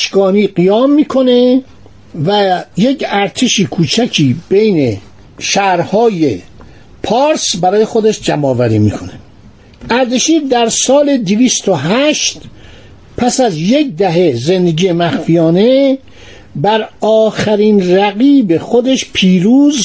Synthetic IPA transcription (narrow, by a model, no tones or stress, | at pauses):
ʃɡɒːniːɢijɒːmːiːkʰo̞ne̞ | væjecʰæɾt̪ʰeʃiːkʰuːt͡ʃʰæcʰiːb̥e̞jne̞ | ʃæːɾhɒːje | pʰɒːɾsbæɾɒːje̞xo̞d̪eʃd͡ʒæmɒːvæɾḭːmḭːkʰo̞ne | ʔæɾd̪eʃiːd̪æɾsɒːle̞d̪eviːst̪oɦæʃt̪ | pʰæsæzje̞k̚d̪æɦeze̞nd̪eɡijemæxfijɒːne̞ | bæɾɒːxæɾiːnɾæɣiːbe̞xo̞d̪e̞ʃpʰiːɾuːz